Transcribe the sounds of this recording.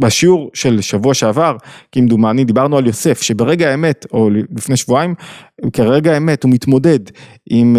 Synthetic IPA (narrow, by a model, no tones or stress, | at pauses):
baʃiuʁʃe̞lʃavuaʃeavaʁkimd̪umanid̪ibaʁnualjo̞se̞fʃebeʁe̞ɡaeme̞to̞llifneʃvuaimkeʁeɡaeme̞tumit̪mo̞de̞d | ʔim